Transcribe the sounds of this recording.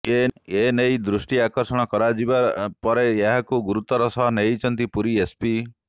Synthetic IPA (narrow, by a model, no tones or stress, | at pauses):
eenejd̪ɾusʈiakɔɾsɔɽ̃ɔkɔɾad͡ʒibapɔɾeeɦakuɡuɾut̪ɔɾɔsɔɦɔnejt͡ʃʰɔnt̪ipuɾiespi